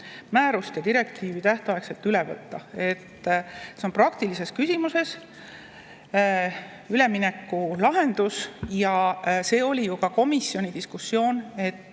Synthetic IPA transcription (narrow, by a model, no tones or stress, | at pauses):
mæːɾust̪jɑd̪iɾe̞kt̪iːvit̪æht̪oɑekse̞lt̪yle̞vɤ̰t̪ːɑe̞t̪ːseo̞nprɑkt̪ilise̞skysʲimuse̞s | yle̞mine̞kːulɑɦe̞nd̪usjɑse̞ːo̞lʲijukɑko̞misjo̞nʲid̪iskusːjo̞ːne̞t̪ːˑ